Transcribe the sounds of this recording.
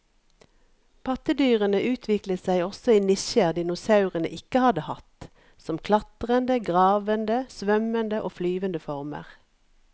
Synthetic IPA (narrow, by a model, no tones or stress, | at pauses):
pʰɑt̪əd̪yːʁənəʔʉːt̪ʰʋɪklət̪sæɪɔsɔiːnɪʃəʁd̪ɪnʊsɑʉʁənə̰ʔɪkəhɑd̪əhɑt̪ | sɔmkʰlɑt̪ʁənd̪əɡʁɑːʋənd̪əsʋœmənd̪əʔoːflyːʋənd̪əfɔʁmə̰ʁ